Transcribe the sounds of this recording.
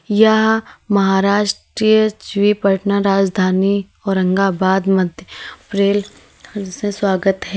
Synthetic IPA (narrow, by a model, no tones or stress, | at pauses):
jɐɦmɐɦaːɾaːʃʈɾijəd͡ʒʋipɐʈnaɾaːd͡ʒd̪ʱaːni | ɔːɾɐ̃ŋɡabaːd̪mɐd̪ʱjəpɾeːl | sẽswaːɡət̪ɦɛː